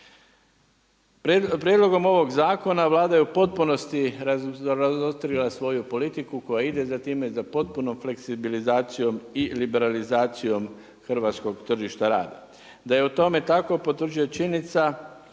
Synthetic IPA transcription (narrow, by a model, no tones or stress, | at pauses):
pɾjed̪lo̞ɡo̞mo̞ʋo̞ɡzaːko̞naʋlˠaːd̪ajeupo̞t̪̚puno̞st̪iɾaɾazost̪ɾilasʋo̞jupo̞lit̪ikuko̞jaid̪e̞zat̪iːme̞zapo̞t̪̚puno̞mfle̞ksibilizaːt̪sijo̞milibe̞ɾalizaːt̪sijo̞m | xr̩ʋat̪sko̞ɡt̪r̩ʒiʃt̪aɾa̰ːd̪a | d̪ajeut̪o̞me̞t̪ako̞po̞t̪r̩d͡ʒuot͡ʃinit̪sa